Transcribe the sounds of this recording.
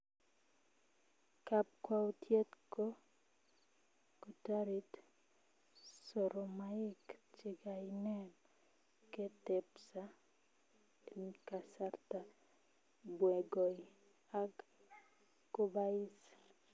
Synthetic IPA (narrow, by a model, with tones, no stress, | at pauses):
ka˦p̚kwa˦o˦tʰje˦tko˦ | ko˨ta˦ɾi˦t | so˨ɾo˨maɪ˦kt͡ʃɪ˨ɡa˨ɪnɛ˦n | ke˦tɛ˨psa˦ | nka˨sa˦rta˨ | bwɛ˨ɡo˨i˨ | a˦k | ko˦ba˦ɪ˦s